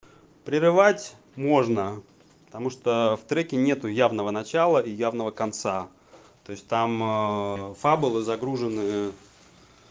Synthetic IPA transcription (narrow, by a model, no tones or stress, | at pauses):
pɾʲɪɾɨvatʲ | mo̞ʐnə | pə̥t̪ɐmuʂt̪oft̪ɾɛkʲɪnʲe̞t̪ʊjavnəvənɐt͡ɕalˠəijavnəvəkɐnt̪sa | t̪o̞ɪsʲt̚ʲt̪am | fabʊlˠɨzɐɡɾuʐɨnɨjə